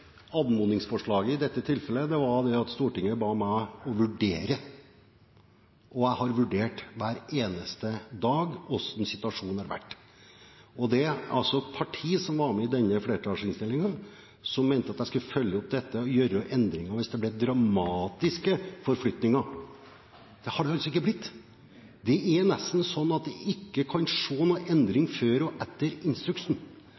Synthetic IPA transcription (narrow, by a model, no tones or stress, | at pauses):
ɑd̪mʊnɪŋsfɔʂɭɑːɡəɪd̪ɛt̪ːət̪ʰɪlfɛlːəd̪ɛʋɑd̪ɛɑt̪st̪uːʈɪŋːəbɑːmæɪɔʋʉɖeːɾə | ʔɔæɪhɑɾʋʉɖeːʈʋæːɾeːnəst̪əd̪ɑːɡɔsɔnsɪt̪ʉɑʂuːnɑɾʋæ̰ʈː | ɔd̪ɛɑlsɔpʰɑʈʰiːsɔmʋɑɾmɛɪd̪ɛnːəfleːɾəʈʰɑːʂɪnst̪ɪlːɪŋən | sɔmːeɪnt̪əɑt̪jæɪskʉlfœljəɔp̚d̪ɛt̪ːəjøːɾəʔɛnd̪ɾɪŋɑʋɪsd̪ɛblɛd̪ɾɑmɑːt̪ɪskəfɔɾflʏt̪nɪŋɑ | d̪̥ɛhɑɖɛɑlsɔɪkːəblɪt̪ː | d̪ɛʔɛɾnɛst̪n̩sɔnːɑt̪̚d̪ɛʔɪkːəkʰɑnʂoːnuːʔɛnd̪ɾɪŋføːɾɔʔɛt̪ːəɾɪnst̪ɾʉkʂn̩